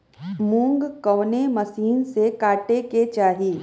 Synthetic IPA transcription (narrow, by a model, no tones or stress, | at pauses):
mũːŋɡkɔʋnemɐsiːnsekaːʈeket͡ʃaːɦiː